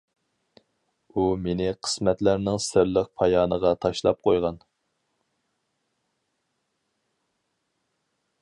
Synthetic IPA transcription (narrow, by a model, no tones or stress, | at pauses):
umenɪqʰə̥smɛt̪læɾnɪŋsɪɾlɪq̚pʰɑjɑːnəʁɑt̪ʰɑʃlˠɑ̰p̚qʰojʁɑn